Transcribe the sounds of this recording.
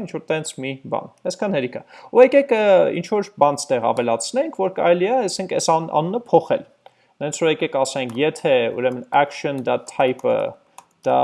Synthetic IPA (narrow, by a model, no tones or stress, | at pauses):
int͡ʃʰvɔɾt̪ɛnt͡sʰmibɑ̰nɛskʰɑnhɛɾikʰɑuɛkɛkəḭnt͡ʃʰvɔɾbɑnt͡sʰt̪ɛʁɑ̰vɛlɑt͡sʰnɛŋkʰvɔɾkɑ̰ɾɛliɛɛsɛŋkʰɛ̰sɑɑ̰nunəpʰɔχɛ̰l | nɛnt͡sʰuɛkɛkɑsɛŋkʰjɛt̪ʰɛṵɾɛmənækʃɔnd̪ɑt̪ʰɑjpə̰ | d̪̥ɑ